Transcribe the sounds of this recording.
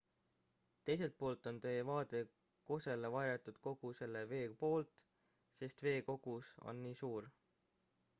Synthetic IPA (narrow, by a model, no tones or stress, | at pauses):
t̪e̞jse̞lt̪̚po̞ːlt̪ˑo̞nt̪e̞jevɑːt̪e̞ | ko̞se̞levɑjɾet̪ːˑud̪̥ko̞ɡ̥use̞lːe̞ve̞ːpo̞ːlt̪ˑ | se̞st̪ve̞ːko̞ɡ̥uso̞̰nːiːsuːɾ